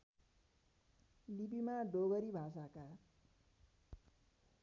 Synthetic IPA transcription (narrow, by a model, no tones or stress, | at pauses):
libimaɖoɡʌɾibʱas̬aka